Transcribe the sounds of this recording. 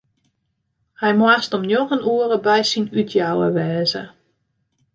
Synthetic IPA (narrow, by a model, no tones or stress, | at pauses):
hɛjmwastɔmnjoɣənuərəbɛjsinytʰjawə̰ʋɛːzə̰